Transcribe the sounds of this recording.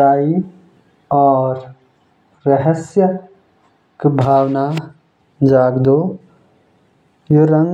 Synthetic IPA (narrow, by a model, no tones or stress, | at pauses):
aːi | ɔːɾ | ɾɐɦəsjə | kbʱaːwna | d͡ʒaːɡd̪oː | joɾɐŋ